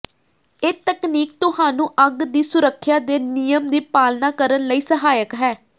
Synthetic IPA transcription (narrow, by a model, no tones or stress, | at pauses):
eːt̪əkniːk̚t̪ʊɦaːnũːʔəɡd̪iːsʊɾəkʰːjaːd̪eːnɪjəmd̪iːpaːlnaːkəɾənləiːsəɦaːjəkɦɛː